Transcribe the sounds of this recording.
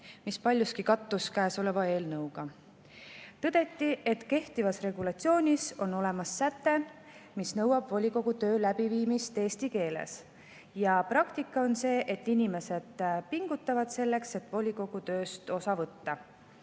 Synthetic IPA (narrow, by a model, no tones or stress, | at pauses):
mispɑlʲjuskikɑt̪ːˑuskæːso̞le̞vɑe̞ːlnɤwɡ̥ɑ | t̪ɤd̪e̞t̪ːˑiʔe̞t̪ke̞ht̪ivɑsre̞ɡulɑt̪sioːnʲiso̞no̞le̞mɑsːæt̪ːe̞ | misnɤwɑb̥volʲiko̞ɡ̥ut̪ø̞ːlæb̥iviːmist̪e̞ːst̪ike̞ːlḛs | jɑprɑkt̪ikːˑɑo̞nse̞ːʔet̪ːinʲime̞se̞d̪̥piŋɡ̥ut̪ːˑɑvɑd̪̥se̞lːe̞kse̞t̪ːˑvo̞lʲiko̞ɡ̥ut̪ø̞ːst̪o̞sɑvɤt̪ːɑ